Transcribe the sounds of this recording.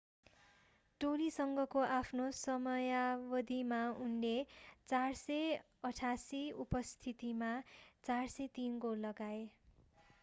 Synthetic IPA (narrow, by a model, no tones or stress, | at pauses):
ʈolisʌŋɡʌkoʔapʰnosʌmʌjabʌd̪imaunlet͡sarsʌj | ʌʈʰasiupʌst̪ʰit̪imat͡sarsʌjt̪inɡollːʌɡae